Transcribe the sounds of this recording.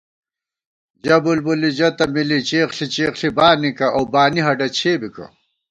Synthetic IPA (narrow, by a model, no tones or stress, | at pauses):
d͡ʑɐbulbulid͡ʑɐt̪ɐmilit͡ɕeːχɬit͡ɕeːχɬibaːnikɐawbaːniɦɐɖɐt͡ɕʰeːbikɐ̰